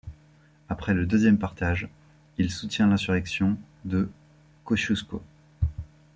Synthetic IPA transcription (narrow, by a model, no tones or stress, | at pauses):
apχɛləd̪øzjɛmpaʁt̪aʒ | ilsut̪jɛ̃lɛ̃syʁɛksjɔ̃ | d̪ə | koʃusko